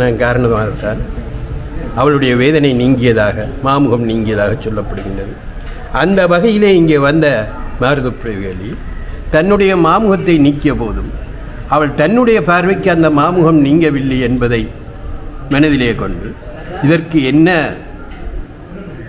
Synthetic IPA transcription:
naːnkaːɾɐɳɐðɐmaːɣɐt̪ːaːn | ɐʋɐɭɯɽɐjɐʋeːðɐnɐɪniːŋɡɪjɐðaːɣɐmaːmɯɣɐmniːŋɡɪjɐðaːɣɐt͡ʃːɔlːɐpːɐɽɯɣɪɳdrɐðɯ | ʔɐnd̪ɐʋɐɣɐjɪleːɪŋɡeːʋɐnd̪ɐmaːɾðɯpːɪɾɐjɯɣɐli | t̪ɐnːɯɽɐjɐmaːmɯɣɐt̪ːɐɪniːkːɪjɐpoːðɯm | ɐʋɐɭt̪ɐnːɯɽɐjɐpaːɾʋɪkːɯɐnd̪ɐmaːmɯɣɐmniːŋɡɐʋɪlːɐɪɛnbɐðɐɪ | mɐnɐðɪleːkɔɳɖɯ | ɪðɐrkɯɛnːɐ

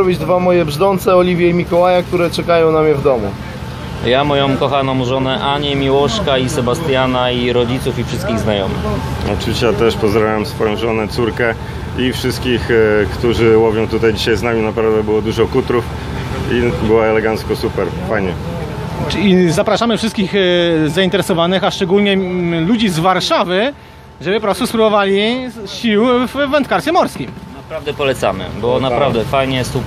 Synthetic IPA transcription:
ɔbʲid͡ʑd̪vamɔjɛbʐd̪ɔnt̪sɛɔlʲivʲjɛimʲikɔwajak̚t̪uɾɛt͡ʂɛkajɔ̃w̃namɲɛvd̪ɔmu | jamɔjɔ̃w̃kɔxanɔ̃w̃ʐɔnɛʔaɲɛmʲiwɔɕkaisɛbast̪janaiɾɔd͡ʑit̪sufifʂɘst̪̚kʲiɣznajɔmɘ̰xɔ̰t͡ʂɨvʲiɕt͡ɕɛjat̪ɛʂpɔzd̪ɾavʲawɛmsfɔjɔ̃w̃ʐɔnɛt̪suɾkɛ | ifʂɘst̪kʲixkt̪uʐɘwɔvʲjɔ̃w̃t̪ut̪ajd͡ʑiɕajznamʲinapɾavd̪ɛbɘwɔd̪uʐɔkut̪ɾuf | ibɘwaɛlɛɡant̪skɔsupɛɾpajɲɛ | izapɾaʂamɘfʂɘst̪kʲiɣzaĩnt̪ɛɾɛsɔvanɘxaʂt͡ʂɛɡulɲɛlud͡ʑizvaɾʂavɘ | ʐɛbɘpɔpɾɔsuspɾubɔvalʲiɕiwvːɛnt̪̚kaɾsʲɛmɔɾskʲimnapɾavd̪ɛpɔlɛt̪sa̰mɘ̰bɔnapɾavd̪ɛfajɲɛjɛst̪u

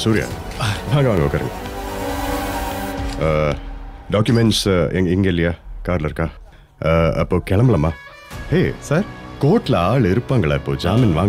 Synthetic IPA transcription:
suːɾɪja̰ː | ʋaːŋɡɐʋaːŋɡɐokːaːɾɯ̰ŋɡɐ | ɖaːkjʊmɛɳʈsɛŋɡɪŋɡɐɪlːɐjaːkaːɾlɐɪɾɯkːaː | ɐpːoːkɛɭɐmbɐɭɐmaː | heːsaːɾkoːʈːlɐaːɭɪɾɯpːaːŋɡɐɭaːɪpːo̰ːd͡ʒaːminʋaːŋɡɐ

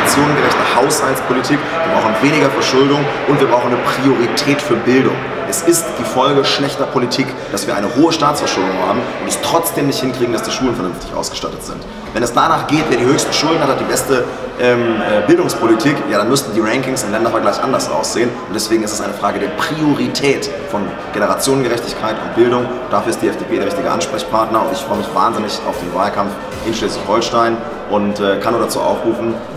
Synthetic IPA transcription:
t͡sjoːnənɡəlɛçtnəhaʊshalt͡spʰolitʰiːkviːɐbʁaʊxnveːnɪɡɐfɛɐʃʊldʊŋʔʊntviːɐbʁaʊχn̩əpʁ̥ioʁitʰɛːtfyːɐbɪldʊ̰ŋ | ʔɛsɪstd̥iːfɔlɡəʃlɛçtɐpʰolitʰiːk | d̥asv̥iːɐʔa̰ɪnəhoːəʃtaːtt͡sfɛɐʃʊldʊŋha̰ːbm̩ʔʊntɛstʁ̥ɔt͡sd̥eːmnɪçthɪnkʁ̥iːɡŋ̩dasd̥iːʃuːlən̩fɛɐnʏnftɪçʔa̰ʊsɡ̥ə̥ʃta̰tətz̥ɪ̰nt | vɛnɛsd̥anaːχɡ̥eːtveːɐdiːhøːçstə̥ʃʊldn̩hathatd̥iːbɛstə | ʔɛːmɛːbɪldʊŋspʰolitʰiːkjaːɾanmʏstn̩diːʁɛŋkɪŋsɪndnlɛndɐfɛɐɡlaɪçʔa̰ndɐsʔa̰ʊsz̥eːənʊntd̥ɛsv̥eːɡŋ̩ɪstɛsʔa̰ɪnəfʁ̥aːɡədeːɐpʁ̥ioʁitʰɛːt | fɔn | ɡ̥enəʁat͡sjoːnənɡəʁɛçtɪçkʰaɪtʊ̰nt̚b̥ɪldʊŋ | d̥aːfyːɐɪstd̥iːɛfd̥eːpʰeːdeːɐɪçtɪɡə̰ʔa̰nʃpʁ̥ɛçpʰaɐtnɐʊntɪçfʁ̥ɔʏəmɪçv̥a̰ːnzɪnɪçʔa̰ʊfd̥eːnvaːlkʰamf | ʔɪnʃlɛːsl̥ɪçhɔlʃtaɪn | ʔʊntɛːkʰanoːdat͡sṵːʔa̰ʊfʁ̥uːfn̩

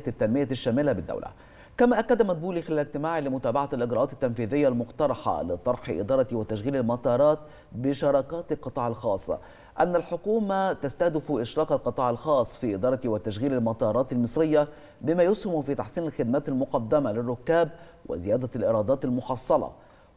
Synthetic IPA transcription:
t̪ːænmɪjaʃːæːmɪlabɪd̪ːæ̰wlæ̰ | kæmæːʔakːæd̪æmæt̪̚buːʔlixɪlæːlɪɡ̚t̪ɪmaːʕilɪmʊt̪æːbaʕalʔɪɡɾɑʔɑːt̪ɪt̪ːænfiːðɪjːalmʊqt̪ɑɾˤɑħɑ̰lɪt̪ˤɑɾˤħɪ̰ʔɪ̰d̪ɑːɾˤɑt̪wɪt̪æʃɣiːlalmɑt̪ˤɑːɾˤɑːt̪̚ | bɪʃɑɾˤɑːkæːt̪ɪlqɨt̪ˤɑːʕɪlxɑːsˤːɑ̰ | ʔanːælħʊkuːmat̪ast̪æhd̪ɪfuʔɪʃɾˤɑːqɑlqɨt̪ˤɑːʕɪlxɑːsˤːfiːʔɪd̪ɑːɾˤɑwɪt̪æʃɣiːlalmɑt̪ˤɑːɾˤɑːt̪ɪlmɨsˤɾɪjːa | bɪmæːjʊshɪmfiːt̪ɑħsˤiːnalxɪd̪̚mæːt̪ɪlmʊqɑd̪ːɪmalɪrːʊkːæːb̚ | wʔɪ̰zɪjæːd̪ælʔɪɾˤɑːd̪ˤɑːt̪ɪlmʊħɑsˤːɑlɑ̰

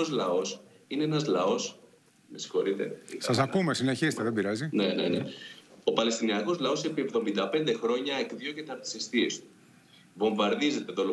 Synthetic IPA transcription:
ozlɐo̞s | ineenɐzlɐo̞s | mesi̥xo̞ɾit̪e̞̰sɐs̬ɐkumesine̞çiset̪eðebiɾɐzine̞ne̞̰nḛo̞pɐle̞st̪iniɐko̞zlɐo̞sepie̞vðo̞mind̪ɐpe̞nd̪e̞xɾo̞ɲɐekðiocet̪ɐɾt̪i̥se̞st̪ie̞st̪u̥ | võ̞ɱvɐɾðize̞t̪e̞ðolo

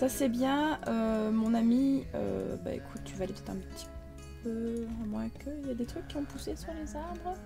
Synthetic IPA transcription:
sasɛbjɛ̃ømɔ̃namiø̰ba̰ḛkʰu̥t̪ːyvaːlept̪ɛt̪ʰɛ̃pə̥t̪ʰi̥ | pø̃mwɛ̃kʰəjad̪et̪χykʲːiɔ̃pusesyʁlezaʁbʁə

